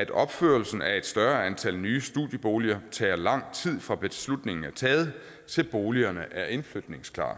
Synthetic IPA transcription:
æd̥ɒ̽b̥føɐlsn̩æe̝d̥sd̥ɶɐænt͡sʰælnyːsd̥ṵðˠjəb̥o̝ːliɐt͡sʰɛːɐlɑ̈ŋ̰t͡sʰið̰ˠfʁɑ̈b̥e̝slud̥ne̝ŋn̩æt͡sʰɛːð̞̩ˠ | t͡sʰe̝lb̥o̝ːliɐnəʔæɐʔe̝nflød̥ne̝ŋskʰlɑ̰̈ː

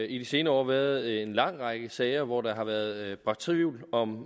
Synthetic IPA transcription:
id̥ise̝ːnəɒ̰ːʋæɐð̩ˠe̝nlɑ̈ŋ̰ʁɑ̈ɡ̥əsɛːɪɐʋɒd̥ɑ̈ɦɑ̈ʋæːɐð̞ˠb̥ʁɑ̈t͡sʰʁuːlɒ̽m

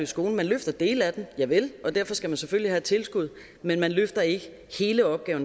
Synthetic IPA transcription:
isɡ̥o̝ːln̩mænløfd̥ɐd̥e̝̰ːlæd̥enjɑ̈ɪʋe̝lʔɒ̽d̥æɐfɒ̽sɡ̥æmænseføl̰ihæd̥̚t͡sʰe̝lsɡ̥uð̞̰ˠ | menmænløfd̥ɐe̝ɡ̥ə | he̝ːləɒ̽b̥̚ɡ̥ɛːʊn

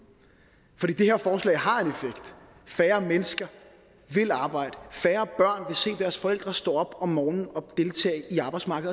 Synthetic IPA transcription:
fɒ̽d̥ḭːd̥e̝he̝ɐfɒːslɛ̰ɪɦɑ̈e̝nefeɡ̥d̥ | fæːɐmenəsɡ̥ɐ | ʋe̝lɑ̈ːb̥ɑ̈ɪ̰d̥əfæːɐb̥ɶɐ̰nʋe̝se̝̰ːd̥æɐsfɒ̽el̰d̥ʁɐsd̥ɔ̰ːɒ̽b̥ɒ̽mːɒːnn̩ɒ̽d̥e̝lt͡sʰɛ̰ːiɑ̈ːb̥ɑɪ̥smɑ̈ɡ̥ð̩ˠ

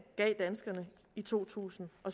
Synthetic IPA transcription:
ɡ̥ɛ̰ːd̥ænsɡ̥ɐnə | it͡sʰo̝̰ːt͡sʰṵːsn̩ʔɒ̽

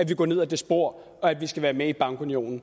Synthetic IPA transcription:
æʋiɡ̥ɒ̰ːne̝ð̰ˠd̥esb̥o̝ɐ̰ | ɒ̽æd̥ʋisɡ̥æʋæːɐmeib̥ɑ̈ŋɡ̥unio̝̰ːnn̩

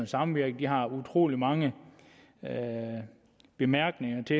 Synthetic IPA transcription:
nəsɑ̈mʋiɐ̰ɡ̥əd̥iɦɑ̈ut͡sʰʁo̝̰ːlimɑ̈ŋə | b̥e̝mæɐ̰ɡ̥ne̝ŋɐt͡sʰe̝

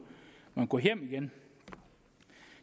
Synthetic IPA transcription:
mãŋkʷoɦjemiɡen

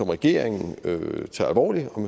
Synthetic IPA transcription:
ɒ̽mʁɛɡ̥e̝ɐ̰e̝ŋn̩øt͡sʰeælʋɒ̰ːliɒ̽m

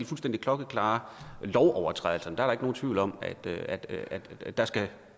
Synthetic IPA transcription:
lfulsd̥end̥ikʰlɒ̽ɡ̥əkʰlɑ̈ːlɒʊʔɒʊɐt͡sʰʁaðˠl̩sɐnd̥ɑæɐɾɑeɡ̥əno̝ːn̩t͡sʰʋḭʊlɒ̽m̰æd̥æd̥æd̥ːɑ̈sɡ̥æ

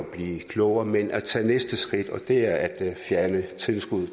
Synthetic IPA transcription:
ɒb̥liːkʰlɔʊɐmenʔæt͡sʰɛ̰ːnesd̥əsɡ̥ʁid̥ɒ̽d̥e̝æɐæd̥fjæɐnət͡sʰe̝lsɡ̥uð̰ˠ

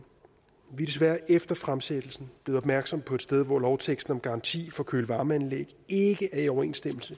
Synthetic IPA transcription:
ʋid̥e̝s̬ʋæɐʔefd̥ɐfʁamsed̥l̩sn̩̥e̝ːð̩ˠɒbmæɐɡ̥sɒ̽m̰pʰɒ̽ed̥sd̥eð̞ˠʋɒlɒʊt͡sʰeɡ̥sd̥n̩ɒ̽mɡ̥ɑ̈ʁɑ̈nt͡sʰḭːfɒ̽kʰøːləʋɑ̈ːməænleɡ̥e̝ɡ̥əʔæɐiɒʊɐe̝̰nsd̥eml̩sə

